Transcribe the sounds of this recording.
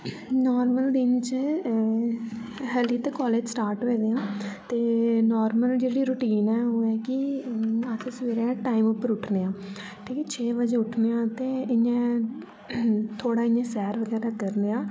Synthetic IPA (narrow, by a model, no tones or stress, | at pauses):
nɔːɾməld̪ɪnt͡ʃ | ɦɛːliːt̪eːkɔːleːd͡ʒsʈaːɾʈɦoed̪eːãːt̪eːnɔːɾməld͡ʒeːɽiːɾʊʈiːnɛːoːɛːkɪ | əsʰsʋeːɾɛːʈaːimʊpːəɾʊʈʰneːãː | ʈʰiːkɛːt͡ʃʰeːʋəd͡ʒẽːʊʈʰneːãːt̪eːɪãː | t̪ʰoːɽaːɪjãːsɛːɾʋəɡɛːɾaːkəɾneːãː